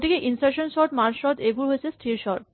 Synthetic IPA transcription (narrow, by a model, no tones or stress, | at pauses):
ʈikeʔinsʈeʃonʃɔɾʈmaɾʃɔt̪ebʱuɾɦojet͡ɕʰesʈʰiɾʃɔɾʈ̚